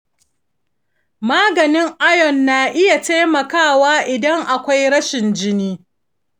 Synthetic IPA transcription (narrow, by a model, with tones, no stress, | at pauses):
maː˦ɡɐ˨nɪ˦ŋʔa˦jɔ˨nːaː˨ʔɪ˦ja˨ta˦jmɐ˨kaː˦˨waː˦ʔɪ˨dɐ˦ŋʔa˨kʷa˦jɽɐ˦ʃɪ˨nd͡ʒɪ˦niː˦